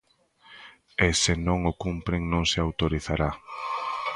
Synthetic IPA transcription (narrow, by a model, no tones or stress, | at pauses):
esenõŋʊkumpɾeŋnõŋsɪawt̪oɾiθaɾa